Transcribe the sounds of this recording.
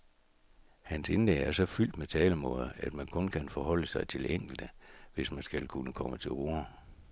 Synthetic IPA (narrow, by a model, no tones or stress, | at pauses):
hænse̝nl̥eɡæɐsɒ̽fyl̰d̥met͡sʰɛːləmɔðˠæd̥mænkʰɔ̽nkʰænfɒhɒ̽l̰əsɑ̈ɪt͡sʰe̝leŋ̰ɡ̥l̩d̥əʋe̝smænsɡ̥ælkʰunəkʰɒ̽mət͡sʰe̝oːɐ